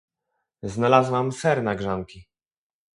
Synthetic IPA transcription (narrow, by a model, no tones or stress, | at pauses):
znalazwamsɛɾnaɡʐaŋkʲi